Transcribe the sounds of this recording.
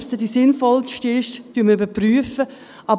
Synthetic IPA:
sədisɪnfɔlʃtɪʃtyːməybəɾpryəfə | ɑb

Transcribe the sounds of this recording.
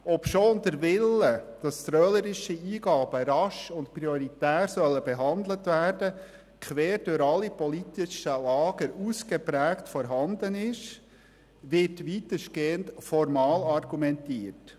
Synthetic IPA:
ɔpʃoːndəɾʋɪlːəd̥ɑst̪ɾœːləɾɪʃiiːɡɑːb̥əɾɑʃʊntpɾiɔɾitæːɾsœlːəbɛɦɑnd̪lətʋæːrd̥ə | kʰʋɛːɾd̥ʊɾɑlːipɔlitɪʃəlɑːɡ̥əɾuːsɡ̥epɾæːktfɔɾɦɑnd̪ənɪʃ | ʋɪɾtʋitəʃɡ̥eːəntfɔɾmɑːlɑrɡumɛntiːərt

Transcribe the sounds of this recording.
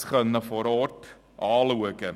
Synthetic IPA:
χənəfɔɾɔːt | ɑːluəkə

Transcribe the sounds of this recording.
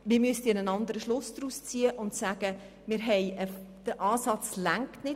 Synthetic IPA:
mɪːmyəstiənənɑnd̪əɾəʃlʊsd̥̪ɾust͡siːəʔʊntsæːɡ̥ə | mɪːɾɦɛjəfd̥əʔɑːsɑt͡slæŋktnɪ

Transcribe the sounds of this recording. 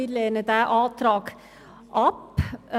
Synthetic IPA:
id̪leːnəd̪æʔɑːt̪ʰɾɑːɡ | ʔɑp

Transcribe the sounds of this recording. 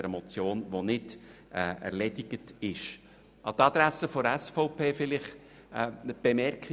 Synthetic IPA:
ɛɾəmɔt͡sjoːnʋonɪd̥ | ɛːɛ̰ɾlɛdɪɡ̥ətɪʃ | ʔɑt̪ɑd̪ɾæsəfɔɾɛsfɔʊpʰeːfɪlɪχ | b̥ɛmɛrkχi

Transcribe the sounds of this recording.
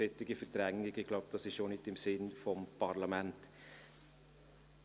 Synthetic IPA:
ɪt̪ːɪɡəfəɾd̪ɾɛŋnɪɡəklɑp̚d̥̪ɑsɪʃonɪt̪ɪmsɪnfɔmpʰɑɾlɑmɛnt̪

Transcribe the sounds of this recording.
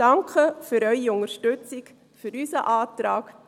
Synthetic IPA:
ɑŋkχəfyɾœʏiʊŋəɾʃtʏt͡sɪk | fyɾysəʔɑːtɾɑːk

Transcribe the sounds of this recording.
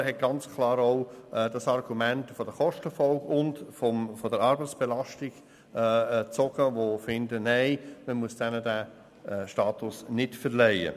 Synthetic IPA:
ɦɛt̚ɡ̥ɑnt͡skʰlɑːɾoʊd̥ɑsɑrɡ̥umæntfɔd̥əχɔʃtəfɔlɡʊndfɔfɔdəɾɑɾbət͡sb̥ɛlɑstɪɡ̥ | t͡sɔɡ̥əʋofɪndənæɪməmuəsd̥ɛnədæ | ʃtɑːtʊsnɪtfəɾlɛɪə̰

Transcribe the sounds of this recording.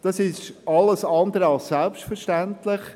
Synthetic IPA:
d̥ɑsɪʃɑləsɑnd̪əɾəɑlssɛlpʃtfəɾʃtæntlɪχ

